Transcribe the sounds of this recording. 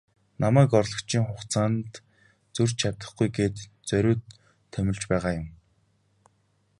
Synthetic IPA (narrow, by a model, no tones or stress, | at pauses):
namæːkɔrɮɞ̆kt͡ɕʰiːŋχʊχt͡saːnt̪ | t͡sɵr̥t͡ɕt͡ɕʰat̪ə̆χɡujɡeːt̪t͡sœɾʲʊːt̪ʰː | œmʲɪ̆ɮt͡ɕpæːʁaːjʊm